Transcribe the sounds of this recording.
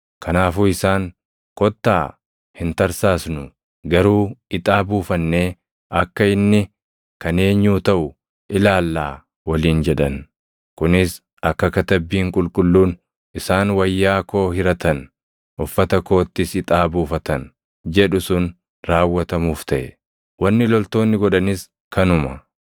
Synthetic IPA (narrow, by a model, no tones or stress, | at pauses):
kɐnaːfuːɪsaːŋ | kɔt̪ːa̰ː | hɪnt̪ɐɾsaːsnʊ | ɡɐɾuːɪt̪ʼaːbuːfɐnːe̞ː | ʔɐkːɐɪnːɪ | kɐne̞ːɲːuːt̪ɐʔʊ | ʔɪlaːlːaː | wɐliːnd͡ʒɛᶑɐn | kʊnɪs | ɐkːɐkɐt̪ɐbːiːŋkʼʊlkʼʊlːuːn | ɪsaːnwɐjːaːko̞ːhɪɾɐt̪ʰɐn | ʔʊfːɐt̪ɐko̞ːt̪ːɪsɪt̪ʼaːbuːfɐt̪ɐn | d͡ʒɛᶑʊsʊn | ɾaːwːɐt̪ɐmuːft̪ʰɐʔɛ | wɐnːɪlɔlt̪o̞ːnːɪɡɔᶑɐnɪs | kʰɐnʊmɐ